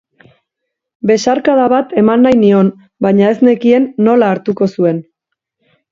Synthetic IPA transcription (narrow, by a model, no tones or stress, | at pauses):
be̞saɾkaðaβat̪e̞manːajnio̞n | bajɲae̞zne̞kie̞nːo̞laːɾt̪uko̞sue̞n